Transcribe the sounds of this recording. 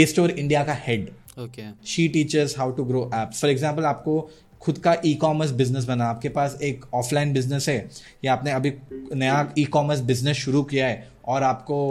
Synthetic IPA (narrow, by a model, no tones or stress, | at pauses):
eːsʈoːɾɪ̃ɳɖijakahɛɖ | okeʃiːʈiːt͡ʃəzɦaːʊʈuɡɾoːʔɛːpsfɔɾɛɡzãːmp̬əlaːp̚ko | xʊd̪kaʔiːkɔːməɾs̬bɪznəs̬bɐnaːp̚kepaːseːkɔːfʰlaːɪ̃nbɪznəsɦɛː | jaaːpneɐbʱinɐjaiːkɔːməɾs̬bɪznəsʃʊɾukijaɦɛ | ɔːɾaːp̚ko